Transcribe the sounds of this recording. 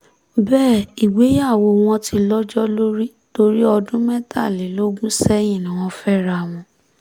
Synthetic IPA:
bɛː˦˨i˨ɡ͡be˨˦ja˦˨wo˧w̃ɔ̃˧tʰi˧lɔ˦d͡ʒɔ˦lo˦ɾi˦ | to˧ɾi˦ɔ˧dũ˦mɛ˦ta˦˨le˨lo˦ɡũ˦sɛ˦j̃ĩ˦˨nã˨w̃ɔ̃˧fɛ˦ɾa˧˨w̃ɔ̃˧

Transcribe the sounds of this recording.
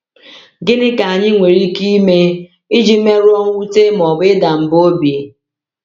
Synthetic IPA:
ɡɪ˦nɪ˦ka˨a˨ɲɪ˦ŋʷe˨ɾi˦ki˦me˦ | i˦d͡ʒi˦me˦ɾʊ˦ɔ˦ŋ˦wu˦te˦m˨ɔ˨bɪ˦da˨m̩˨bo˦bi˨

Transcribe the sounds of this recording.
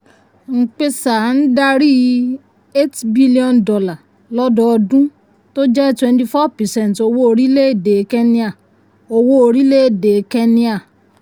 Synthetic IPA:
ŋ̩˨k͡pe˧sa˨n̩˦da˧ɾi˦ | e˦tbi˦li˦ɔ̃˧ndɔ˨la˨ | lɔ˦dɔ˧ɔ˧dũ˦ | to˦d͡ʒɛ˦twɛ̃˧nti˧fɔ˦pɛ˨sɛ̃˦n˨to˧wo˦o˧ɾi˦le˦e˦˨de˨˦kɛ˦nĩ˦a˨ | o˧wo˦o˧ɾi˦le˦˨de˨kɛ˦nĩ˦a˦˨

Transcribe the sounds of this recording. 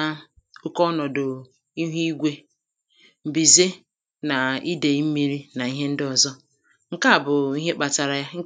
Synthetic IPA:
ʊ˦kɔ˦nɔ˨dʊ˨ | i˦ɦu˦i˦ɡʷe˦ | m̩˨bi˨ze˦ | na˨i˦de˨i˦m̩˦mi˦ɾi˦na˨i˦ɦe˦n̩˦dɪ˦ɔ˨zɔ˦ | ŋ̩˦ka˦˨bʊ˨i˦ɦe˦k͡pa˨ta˨ɾa˨ja˦ŋ̩˦

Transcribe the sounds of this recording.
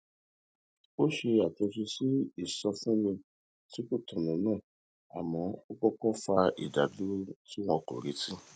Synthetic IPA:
o˦ʃe˧a˨te˧s̬i˧si˦i˨sɔ˧fũ˦mĩ˧ | ti˦ko˦˨tɔ̃˨nũ˨˦nãː˦˨ | a̰˨mɔ̃˨˧˦o˦kɔ˦kɔ˦fa˧ḭ˨da˨du˦ti˦wɔ̃˧ko̰˨ɾi˨˦ti˦

